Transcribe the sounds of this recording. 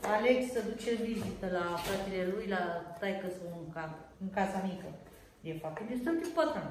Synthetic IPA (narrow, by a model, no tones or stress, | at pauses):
aleksəd̪ut͡ʃʰeld̪id͡ʑit̪əlapɾat̪ilalujlat̪ajkəsuŋkaɨŋkasamikə | d̪efap̚t̪ind̪est̪ət̪ipət̪ɾən